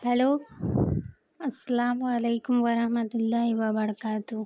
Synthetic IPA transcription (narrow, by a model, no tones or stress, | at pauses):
hɐloː | ɐsːɐlaːmuɐleːkumʋɐɾɐhmɐt̪ulːaːiʋaːbɐɽɐkaːt̪u